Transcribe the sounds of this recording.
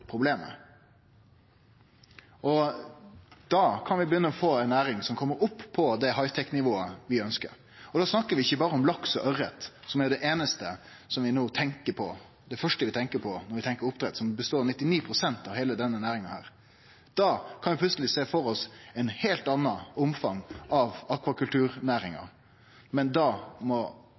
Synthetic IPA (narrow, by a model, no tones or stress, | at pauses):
pʰɾʊbleːmə̰ | ʔɔ | d̪̥ɑkʰɑnʋɪbəjʏnːəɔfoːɛɪnæːɾɪŋsɔmkʰɔmːəɾʊpʰːɔd̪ɛɦɑɪt̪ʰɛkːnɪʋoːəʋɪœnskə̰ɾ | ɔd̪ɑːsnɑkːəɾʋɪɪçːəbɑːɾəɔmlɑksɔʔœɾət̪sɔmɛɾɖ̪ɛʔeːnəst̪ə | sɔmʋɪnoːt̪ʰɛŋkəpʰɔ̰ | d̪ɛfœʂʈəʋɪt̪ʰɛŋkəpʰɔnɔɾʋɪt̪ʰɛŋkəɾʊpt̪ʰɾɛt̪ːsɔmbəst̪oːɾnɪt̪ːɪniːpʰɾʊsɛnt̪ɑʋheːləd̪ɛnːənæːɾɪŋɑhæ̰ːɾ | d̪̥ɑːkʰɑnʋɪpʰlʉt̪səlɪseːfɔɾɔsɛɪnheːlt̪ɑnːɑʊmfɑŋɑʋɑkʋɑkʉlt̪ʉːɾnæːɾɪŋɑ̰ | mɛnd̪ɑːmɔ